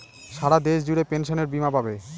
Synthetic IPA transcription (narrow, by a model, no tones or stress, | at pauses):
ʃaɽad̪eʃd͡ʑuɽepenʃoneɾbimabʱabe